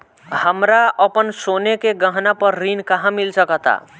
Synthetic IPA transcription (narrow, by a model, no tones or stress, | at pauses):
həmɾaəpənsonekeɡəɦnapəɾːinkaɦãmilsəkət̪a̰